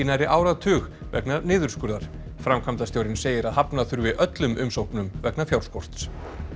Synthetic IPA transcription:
naɾɪʔaːwɾaðt̪ʰʏːɣ | vɛ̰knanɪːðʏɾ̥skʏɾðaɾ̥ | fɾamkʰamt̪asjowɾɪnseːjɪɾaðhapnaθʏɾvɪðʔœt̪lʏmʔʏmsowhknʏmvɛknafjawl̥skɔr̥t̪s

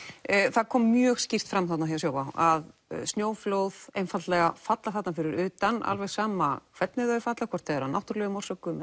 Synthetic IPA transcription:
θaðkʰɔːmːjœːɣscir̥t̪fɾamːθat̪nahɦevasjoːwvaaðsnjoːwfloːwð̥ejnfat̪lɛɣafat̪laθat̪nafɪɾɪɾʏːt̪ana̰lvɛɣsaːmakʰv̥ɛt̪nɪðœːfat̪lakʰɔ̥t̪ɛðɾanawht̪ʏɾlɛɣʏmɔr̥sœkʏmɛ

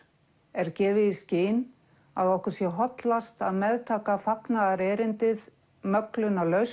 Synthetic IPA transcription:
ɛɾcɛːvɪðisceːjn | aðɔhkʏɾ̥sjɛɦɔt̪last̪aðmɛðt̪ʰaːkafaknaðaɾɛːɾɪnt̪ɪð | mœklʏnalœɥs

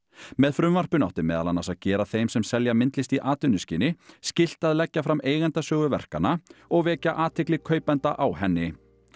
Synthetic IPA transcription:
mɛðfɾʏmvar̥pʏna̰wht̪ɪmɛːðalanasaðcɛːɾaθejmsɛmsɛljamɪnt̪lɪst̪iʔaːt̪ʏnʏscɪːnɪscɪl̥t̪aðlɛcːafɾamʔeːjɣant̪asœːɣʏvɛ̰r̥kanaɔɣvɛːcaʔaːt̪ʰɪklɪkʰœːɥpɛnt̪aʔawhɛnːɪ

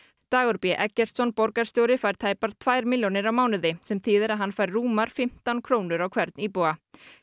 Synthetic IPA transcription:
t̪aːɣɔɾpjɛʔɛcːɛɾ̥t̪sɔnpɔɾkaɾ̥st̪jowɾɪfajɾ̥t̪ʰaːjpaɾ̥t̪ʰvajɾmɪljownɪɾawmaːwnɪðɪsɛmθʰiːðɪɾaðɦanːfajɾːuːmaɾ̥fɪm̥t̪ankʰɾoːwnʏɾawkʰv̥ɛɾt̪nipowa

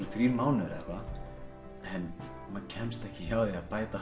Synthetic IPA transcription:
ɾɪθɾiːɾmaːwnɪɾɛ̰va | ɛn | mancʰɛmst̪ɛhcɪçawðiaðpaːjt̪a

